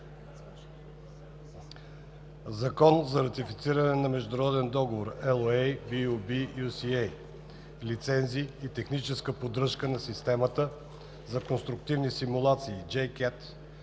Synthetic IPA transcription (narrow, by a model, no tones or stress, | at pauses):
zɐkɔnzɐɾɐt̪ifit̪siɾənɛnɐmɛʒd̪ʊɾɔd̪ɛnd̪ɔɡovoɾɛlˠejbiubiusiej | lit̪sɛnziːit̪ɛxnit͡ʃɛskəpod̪ɾɤʃkənɐsist̪ɛmət̪ə | zɐkonst̪ɾʊk̚t̪ivnisimulˠat̪siːd͡ʒɛjkɛt̪